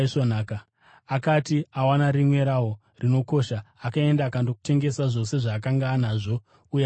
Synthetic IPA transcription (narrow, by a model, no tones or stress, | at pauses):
sonaːka | akatiawanaɾimwe̞ɾawo | rino̞ko̞ʃaakae̞ndaːkandoku̥te̞ŋɡe̞saʐo̞se̞ʐaːkaŋɡanaʐo̞ | uja